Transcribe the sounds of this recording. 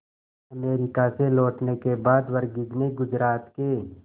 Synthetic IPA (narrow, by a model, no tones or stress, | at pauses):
ɐmeːɾɪkaselɔːʈnekebaːd̪wɐɾɡɪd͡ʒneɡʊd͡ʒɾaːt̪ke